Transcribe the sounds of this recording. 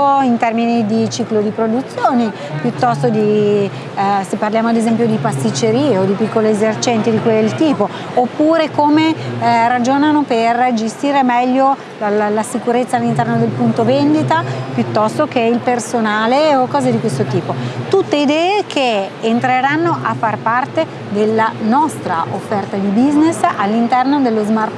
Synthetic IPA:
oint̪ɛrminid̪it͡ʃiːklod̪ipɾod̪ut̪sːjoːne | pjut̪ːɔst̪od̪i | sepːarljaːmoad̪ezɛmpjod̪ipast̪it͡ʃːeɾiːeod̪ipikːoliezert͡ʃɛnt̪id̪ikwelt̪iːpo | opːuːɾekomerad͡ʒoːnanoperd͡ʒest̪iːɾemɛʎːo | lallasikuɾet̪sːalːint̪ɛrnod̪elpunt̪ovend̪it̪apjut̪ːɔst̪ok̟eilpersonaːleokɔːzed̪ikwest̪ot̪iːpot̪ut̪ːeid̪ɛːekʰeːnt̪ɾeɾanːoʔafːarpart̪e | d̪elːanɔst̪ɾa̰ʔofːɛrt̪ad̪ibiznesalːint̪ɛrnod̪elːozmar

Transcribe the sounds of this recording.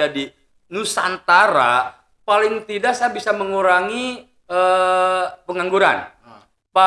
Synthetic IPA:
adi | nusa̰nt̪aɾa̰ | palɪŋt̪idaʔsaabisaməŋuɾaŋi | ə | pəŋaŋɡuɾa̰n | pa

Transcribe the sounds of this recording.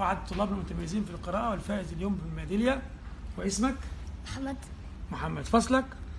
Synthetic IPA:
aʕad̪̚t̪ˤːʊlːɑːbnælmʊt̪æmæjːziːnfilqɨɾɑːʔæwɪlfæːʔɪzɪljoːmbɪlmæːd̪ɪljæ | wɪʔɪsmækmħamːæd̪ | mʊħamːæd̪fɑsˤlɑk

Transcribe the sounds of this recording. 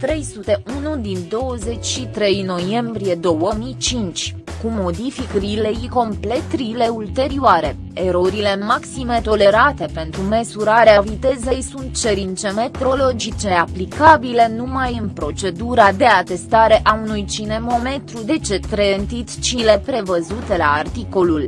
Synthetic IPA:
t̪ɾe̞jsut̪e̞ʔunud̪ind̪o̞wəze̞t͡ʃʲʃit̪ɾe̞jno̞je̞mbɾije̞d̪o̞wəmijt͡ʃint͡ʃʲ | kumo̞d̪ifikrilejiko̞mple̞t̪ɾile̞ult̪e̞ɾioaɾe̞̰ | eɾo̞ɾile̞maksime̞t̪o̞le̞ɾat̪e̞pe̞nt̪ɾumesuɾaɾeavit̪e̞zejsunt̪̚t͡ʃe̞ɾint͡ʃe̞me̞t̪ɾo̞lo̞d͡ʒit͡ʃe̞aplikabile̞numajɨnpɾo̞t͡ʃe̞d̪uɾad̪e̞at̪e̞st̪aɾe̞ʔaunujt͡ʃine̞mo̞me̞t̪ɾud̪e̞t͡ʃe̞t̪ɾent̪it̪t͡ʃile̞pɾe̞vəzut̪e̞laːrt̪iko̞lul

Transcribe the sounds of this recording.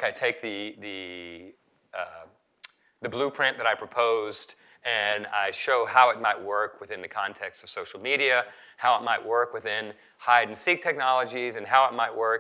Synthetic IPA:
kaɪtʰeɪk̚ðɨðɨ | ʌ | ðɨblupʰɹ̥ɪ̃nðɨɾaɪpʰɹ̥ɨpʰoʊzd | ɨ̃na̰ɪʃoʊhaʊɨt̚maɪʔ̚wɜ˞kʰwɨθɪ̃nðɨkʰɑ̃ntʰɛkstsʌv̥soʊʃl̩ˠmiɾiɨhaʊət̚maɪʔwɜ˞kwɨθɪ̃n | haɪdⁿn̩sik̚tʰɛk̚nɑlˠəd͡ʒizɨ̃nɦaʊət̚maɪʔ̚wɜ˞k

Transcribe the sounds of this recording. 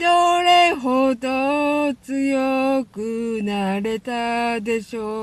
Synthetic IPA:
oɾeɦod̪ot͡sɨjokɯnaɾe̞t̪ad̪e̞ɕoː

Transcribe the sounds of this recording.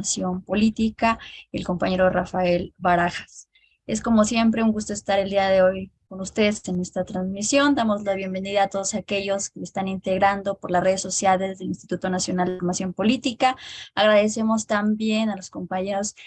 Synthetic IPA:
sjo̞mpo̞lit̪ikaelko̞mpaɲe̞ɾo̞rafae̞lβaɾaxḁs | e̞sko̞mo̞sje̞mpɾe̞uŋɡust̪o̞est̪aɾe̞ld̪iaðe̞o̞jko̞nust̪e̞ðese̞nest̪at̪ɾanzmisjo̞nd̪amo̞zlaβje̞mbe̞niðaːt̪o̞ð̞osake̞ʝo̞skeest̪anint̪e̞ɣɾand̪o̞poɾlasre̞ð̞e̞sːo̞sjale̞zðe̞linst̪i̥t̪ut̪o̞nasjo̞nald̪eoɾmasjo̞mpo̞lit̪ikaːɣɾaðe̞se̞mo̞st̪ambje̞nalosko̞mpaɲe̞ɾo̞s

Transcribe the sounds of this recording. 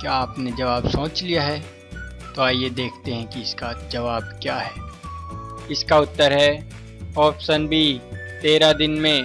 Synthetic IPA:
kjaaːpned͡ʒɐʋaːbsõːt͡ʃlijaɦɛː | t̪oaːjed̪eːkʰt̪eɦɛ̃kiɪskad͡ʒɐʋaːb̚kjaːɦɛː | ɪskaʊt̪ːəɾɦɛ | ɔːpsənbʱit̪eːɾad̪ɪnmẽ

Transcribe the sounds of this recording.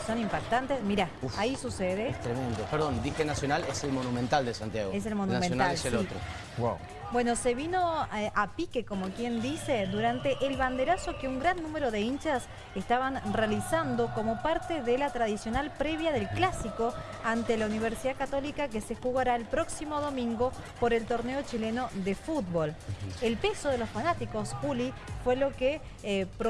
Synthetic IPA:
so̞nimpak̚t̪ant̪esmiɾaaisuseðeest̪ɾemẽnd̪opeɾðond̪ixenasjonaleselmonumẽnt̪ald̪esant̪jaɣes̬elmonunmẽnonaaaselot̪ɾo̰ | wa̰w | bwe̞no̞se̞βino̞apikeko̞mo̞kje̞nd̪iseðuɾant̪e̞ʔːlβand̪eɾaso̞keuŋɡɾanːume̞ɾo̞ðeint͡ʃas | est̪aβanrealisand̪o̞komo̞paɾt̪eðelat̪ɾaðisjo̞nalpɾeβjaðe̞lklasiko | ant̪elauniβeɾsiðakat̪o̞likake̞sexuɣaɾaelpɾo̞ksimo̞ðo̞mĩŋɡo̞ | po̞ɾe̞lt̪o̞ɾneo̞t͡ʃileno̞ðefut̪̚βo̞lelpe̞soð̞e̞lo̞sfanat̪iko̞suli | fwe̞lo̞ke | pɾ

